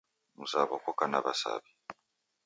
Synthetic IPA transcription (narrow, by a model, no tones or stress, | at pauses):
musaβokokanaβasa̰βi